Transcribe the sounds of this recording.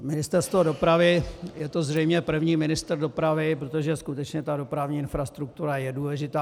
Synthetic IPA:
mɪnɪst̪ɛɾst̪vodo̞pɾavɪjɛt̪o̞zr̝ɛjmɲɛpr̩vɲiːmɪnɪst̪r̩do̞pɾavɪp̬ɾot̪oʒɛskut̪ɛt͡ʃɲɛt̪ado̞pɾavɲiːɪnfɾast̪ɾuk̚t̪uɾajɛduːlɛʒɪt̪aː

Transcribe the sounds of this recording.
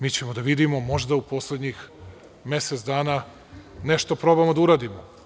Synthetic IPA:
miːt͡ɕe̞mod̪aʋid̪imo̞mo̞ʒd̪aupo̞sled̪ɲix | me̞set̪sd̪aːna | ne̞ʃt̪o̞pɾo̞bamod̪auɾaːd̪imo

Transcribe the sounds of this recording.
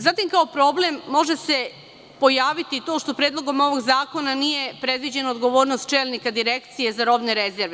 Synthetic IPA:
zat̪imkao̞pɾo̞ble̞mːo̞ʒese̞ | po̞jaːʋit̪it̪o̞ʃt̪o̞pɾeːd̪lˠo̞ɡo̞mo̞ʋo̞ɡzaːko̞nanije̞pɾe̞d̪ʋid͡ʑe̞nood̪ɡo̞ʋo̞ːɾnost̪̚t͡ʃe̞ːlnikad̪iɾe̞kt̪sije̞zaɾo̞bneɾezeɾʋe

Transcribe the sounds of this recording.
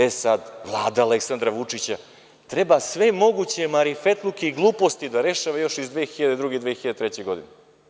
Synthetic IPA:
esad̪vlˠaːd̪aːleksand̪ɾaʋut͡ʂit͡ɕa | t̪ɾe̞basʋe̞mo̞ɡut͡ɕe̞maɾifet̪lˠukeiɡlˠuːpo̞st̪id̪aɾe̞ʃaʋajo̞ʃizd̪ʋeːxiʎad̪ed̪ɾuɡeid̪vʋeːxiʎad̪et̪ɾet͡ɕeɡo̞d̪ine

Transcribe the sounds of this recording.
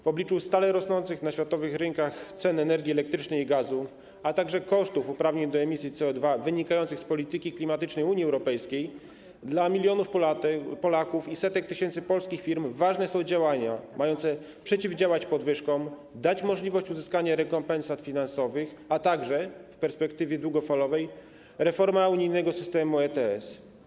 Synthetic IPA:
vɔblʲit͡ʂust̪alɛɾɔsnɔnt̪sɘxnaɕfʲjat̪ɔvɘxɾɘŋkaxt̪sɛnɛnɛɾɡʲiɛlɛk̚t̪ɾɘt͡ʂnɛjiɡazu | at̪aɡʐɛkɔʂt̪ufupɾavɲeɲd̪ɔɛmʲisʲjit̪sɛɔd̪vavɘɲikajɔntsɘxspɔlʲit̪ɘkʲiklʲimat̪ɘt͡ʂnɛjuɲiɛwɾɔpɛjskʲej | d̪lamʲilʲjɔnufpɔlakufisɛt̪ɛk̚t̪ɘɕɛnt̪sɘpɔlskʲixfʲiɾmvaʐnɛsɔ̃w̃d͡ʑawaɲamajɔnt̪sɛ | pʂɛt͡ɕivd͡ʑawat͡ɕpɔd̪vɘʂkɔm | d̪at͡ɕmɔʐlʲivɔɕt͡ɕuzɘskaɲaɾɛkɔmpɛnsat̪fʲinansɔvɘxat̪aɡʐɛfpɛɾspɛkt̪ɘvʲjɛd̪wuɡɔfalɔvɛj | ɾɛfɔɾmauɲijnɛɡɔsɘst̪ɛmuɛt̪ɛɛs

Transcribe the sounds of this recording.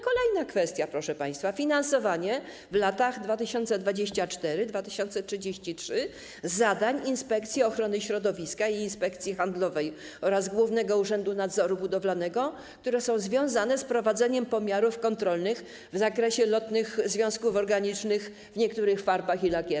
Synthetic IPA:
kɔlɛjnakfɛst̪ʲjapɾɔʂɛpaj̃st̪fafʲinansɔvaɲɛ | vlat̪aɣd̪vat̪ɘɕɔnt̪sɛd̪vad͡ʑeɕt͡ɕat͡ʂt̪ɛɾɘd̪vat̪ɘɕɔnt̪sɛtʂɘd͡ʑeɕt͡ɕitʂɘ | zad̪aɲinspɛkt̪sʲjɛɔxɾɔnɘɕɾɔd̪ɔvʲiskaiːnspɛkt̪sʲjixand̪lɔvɛj | ɔɾazɡwuvnɛɡɔuʐɛnd̪unad̪zɔɾubud̪ɔvlanɛɡɔ | kt̪uɾɛsɔ̃w̃zvʲjɔ̃w̃zanɛspɾɔvad̪zɛɲɛmpɔmʲjaɾufkɔnt̪ɾɔlnɘx | vzakɾɛɕɛlɔt̪nɘxzvʲjɔ̃w̃skufɔɾɡaɲit͡ʂnɘx | vɲɛkt̪uɾɘxfaɾbaxilaɡʲɛ

